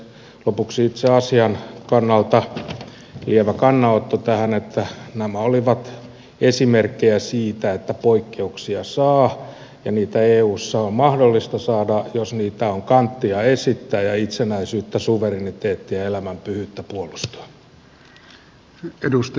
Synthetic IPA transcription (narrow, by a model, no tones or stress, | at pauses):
lopuksiit̪seɑsiɑnkɑnːɑlt̪ɑ | lieʋækɑnːɑot̪ːot̪æhænet̪ːænæmæoliʋɑt̪ | esimerkːejæsiːt̪æet̪ːæpoikːeuksiɑsɑː | jɑniːt̪æeːuːsːɑommɑhdolːist̪ɑsɑːdɑjosniːt̪æoŋkɑnt̪ːiɑesit̪ːæːjɑit̪senæisyːt̪ːæsuʋerinit̪eːt̪ːiɑelæmæmpyhyt̪ːæpuolust̪u̥ɑ̥ | edust̪